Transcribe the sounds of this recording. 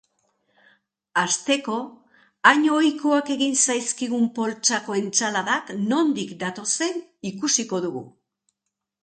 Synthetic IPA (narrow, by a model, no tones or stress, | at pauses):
ast̪e̞ko̞ | aɲojkoake̞ɣinsajskiɣumpo̞lt͡ʃako̞e̞nt͡salaðakno̞nd̪ikd̪at̪o̞se̞nikusiko̞ðuɣṵ